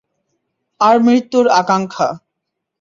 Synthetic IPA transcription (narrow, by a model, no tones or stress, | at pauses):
aɾmɾit̪ːuɾakaŋkʰa